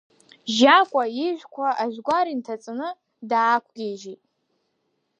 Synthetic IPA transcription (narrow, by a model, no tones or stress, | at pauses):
ʒakʷʼaiʒᶣʷkʷʰaaʒʷᶣɡʷaɾintʰat͡sʼɨnɨ | daːkʷʰɡʲeʒetʼ